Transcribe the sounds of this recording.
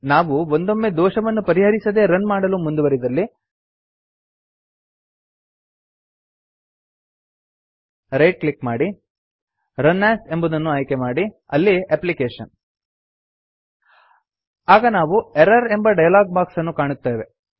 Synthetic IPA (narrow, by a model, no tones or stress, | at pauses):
naːʋuond̪o̞mːed̪ɔːʃɐʋɐnːupɐɾiɦɐɾisɐd̪e̞ɾɐnmaːɽɐlumund̪uʋɐɾid̪ɐlːi | ɾejʈ̚klikmaːɽi | ɾɐnːaːse̞mbud̪ɐnːuɐjkemaːɽi | ɐlːieplikeːʃɐ̰n | aːɡɐnaːʋueɾɐɾe̞mbɐɖɐjɐlaːɡ̚baːksɐnːukaːɳut̪ːaːjʋe̞